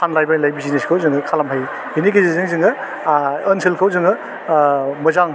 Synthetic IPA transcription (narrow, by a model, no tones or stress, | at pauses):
anlajbajlajbizineskʰawzɯŋɯkʰalamɦaj | hinikʰezizɯŋzɯŋɯː | nsʰelkʰawzɯŋɯ | mɯzaŋ